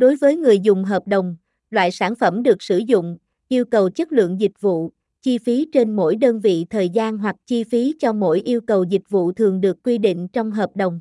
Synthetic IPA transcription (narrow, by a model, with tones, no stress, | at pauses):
ɗo˨˦jvəː˨˦jŋɨ˨˩əjzʊ˨˩ŋ͡mɦəː˨˩p̚ɗə˨˩wŋ͡m | lwa̰ː˧˨jsaː˧˩nfə˧˩mɗɨ˨˩ək̚sɨ˧˩zʊ̰˧˨ŋ͡m | ʔi˧əwkə˨˩wt͡ɕə˦˥t̚lɨ̰˧˨əŋzï˨˩k̟̚vṵ˧˨ | t͡ɕi˧fi˨˦t͡ɕe˧nmo̰˧˥jɗəː˧nvḭ˧˨t̪ʰəː˨˩jzaː˧nɦwa˨˩k̚t͡ɕi˧fi˨˦t͡ɕɔ˧mo̰˧˥jʔi˧əwkə˨˩wzi˨˩k̚vṵ˧˨t̪ʰɨ˨˩əŋɗɨ˨˩əkːwi˧ɗḭ˧˨ŋ̟t͡ɕɔ˧wŋ͡mɦəː˨˩p̚ɗə˨˩wŋ͡m